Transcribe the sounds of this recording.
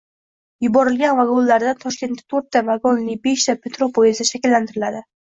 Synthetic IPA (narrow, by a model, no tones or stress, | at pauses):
jʊbɒɾɪlɡʲanvaɡonlːaɾd̪at̪ʰɒʃkʲe̞nt̪ːḁt̪ʰɵɾt̪ʰːavaɡonnɪbe̞ʃt̪ʰapʰet̪ɾopʰojezaʃakʲɪlːant̪ʰɪɾɪlad̪ɪ